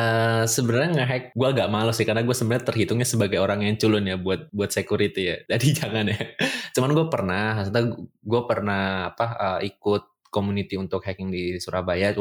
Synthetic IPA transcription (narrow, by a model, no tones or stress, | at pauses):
ʔəsəbənaɾɲaŋaɦɛk̚ɡuaŋɡaʔmalusɪhkarnaɡuasəbənɲat̪ərɦit̪ʊŋɲasəbaɡajoɾaŋjaŋt͡ʃulʊnjabuat̪̚buat̪sekuɾit̪ijad͡ʒadid͡ʒaŋanjat͡ʃumanɡuapərnahsant̪aɡɡuapərnahapaəikʊt̪̚komunit̪iunt̪ʊk̚hɛkɪŋdisuɾahbaja